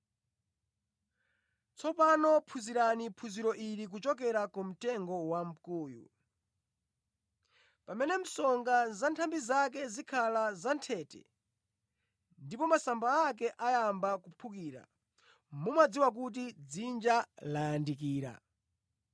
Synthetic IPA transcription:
t͡sʰɔpanɔpʰuziɾanipʰuziɾɔʔiɾik̬ut͡ʃɔk̬ɛɾakɔm̩tɛŋɡɔwam̩kuːjṵ | pamɛnɛm̩sɔŋɡazantʰambizak̬ɛzikʰalazantʰɛtɛ̰ | ndipɔmasambaːkɛʔajambakupʰukiːɾa̰ | mumad͡ziwak̬ut̬id͡zind͡ʒalajandikiːɾa̰

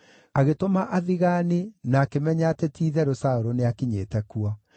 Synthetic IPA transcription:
aɣetomaʔaðiɣanenaːkemɛɲatɛtʰiːðɛɾosaoɾoneakiɲetɛkuɔ

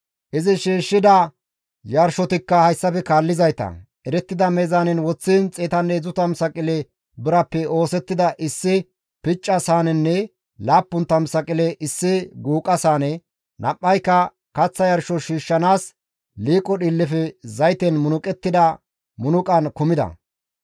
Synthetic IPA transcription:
ʔɪzɪʃiːʃːɪd̪ɐ | jɐɾʃɔt̪ɪkːɐhɐjsːɐfɛkaːlːɪzɐjt̪ɐ̰ʔɛɾɛt̪ːɪd̪ɐmɛzanɛnwɔt͡sːiːnt͡sʼɛːt̪ɐnːeːzʊt̪ɐmsɐkʼɪlɛ | bɪɾɐpːɛʔo̞ːsɛt̪ːɪd̪ɐʔɪsːɪ | pɪt͡ʃʼːɐsaːnɛnːɛ | laːpːʊnt̪ɐmsɐkʼɪlɛʔɪsːɪɡuːkʼɐsaːnɛ | nʔɐpʼːɐjkːɐ | kɐt͡sːɐjɐɾʃɔʃiːʃːɐnaːs | liːkʼːɔɗilːɪfɛzɐjt̪ɛnmʊnʊkʼɛt̪ːɪd̪ɐ | mʊnʊkʼɐnkʊmɪd̪ɐ̰

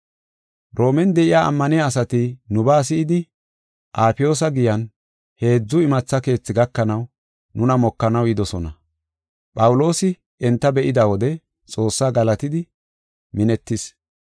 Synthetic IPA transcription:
ɾo̞ːmɛnd̪ɛʔɪjaːʔɐ̰mːɐnɪjaːs̬ɐt̪ɪnʊbaːs̬ɪɪd̪ɪ | ʔaːpɪjo̞ːs̬ɐɡɪjɐn | he̞ːd͡zːʊɪmɐt͡sːɐke̞ːt͡sːɪɡɐkːɐnɐw | nʊnɐmɔkːɐnɐwɪd̪ɔsɔnɐ | pʼɐwʊlo̞ːsɪ | ɛnt̪ːɐbɛʔɪd̪awɔd̪ɛ | t͡sʼo̞ːsːaːɡɐlɐt̪ɪd̪ɪ | mɪnɛt̪ːɪs

